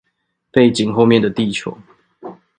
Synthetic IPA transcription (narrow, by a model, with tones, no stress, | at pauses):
pe˥˨ɪt͡ɕi˨˩ŋxo˥˧ʊmjɛ˥˨nd̪ə˩t̪i˥˨t͡ɕʰjɔ̰˨˦